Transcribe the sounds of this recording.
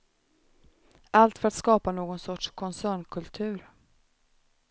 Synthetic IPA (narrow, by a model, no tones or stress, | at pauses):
ʔalt̪fœɾat̪skɑːpanoːɡɔnsɔʈʂkʰɔnsæːɳkʰɵlt̪ʰʉ̟ːɾ